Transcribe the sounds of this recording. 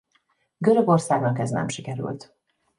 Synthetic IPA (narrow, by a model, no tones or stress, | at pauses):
ɡø̞ɾø̞ɡo̞rsaːɡnɒkɛznɛ̰mʃikɛɾy̰lt̪